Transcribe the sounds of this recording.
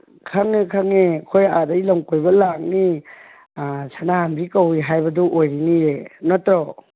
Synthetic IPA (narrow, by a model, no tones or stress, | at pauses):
kʰaŋekʰaŋekʰojadajlɔŋkojbɐlak̚ni | sanahambikawiɦajbɐduʔojɾinienɔtɾɔ